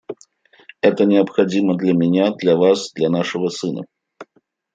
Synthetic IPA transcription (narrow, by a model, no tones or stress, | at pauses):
ɛt̪ənʲɪəpxɐdʲiməd̪lʲamʲɪnʲad̪lʲɐvasd̪lʲɐnaʂɨvəsɨnə̰